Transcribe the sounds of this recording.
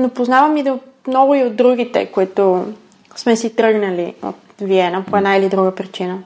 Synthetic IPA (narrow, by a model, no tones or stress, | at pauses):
nopoznavəmid̪o | mnɔɡʊiod̪̚d̪ːɾuɡʲit̪ɛ̰koit̪o | smɛsit̪ɾɤɡnəlio̰t̪viɛnəpoɛd̪nailid̪ɾuɡəpɾit͡ʃinə